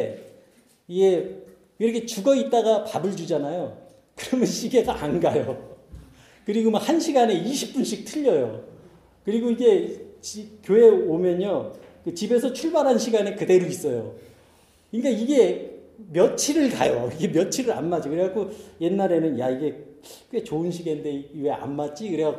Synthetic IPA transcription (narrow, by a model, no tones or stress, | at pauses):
iɡe̞ | iɾʌkʰet͡ɕuɡʌit̚t͈aɣapabɯɭd͡ʑud͡ʑanajo | kɯɾʌmjʌnɕʰiɡe̞ɡaanɡajo | kɯɾiɡomohanɕʰiɡane̞iɕʰip̚p͈unɕʰik̚tʰɯʎːʌjo̰ | kɯɾiɡoiɡe̞t͡ɕikjoe̞omjʌɲokɯt͡ɕibe̞sʰʌt͡ɕʰuɭbaɾɦanɕʰiɡane̞kɯde̞ɾois͈ʌjo | kik͈aiɡe̞mjʌt͡ɕʰiɾɯɭka̰joiɡe̞mjʌt͡ɕʰiɾɯɾa̰nmad͡ʑikɯɾeɡakʰoje̞nːaɾe̞nɯnjaiɡe̞kwe̞t͡ɕoɯnɕʰiɡe̞nde̞iwe̞a̰nmat͡ɕ͈ikɯɾeɡa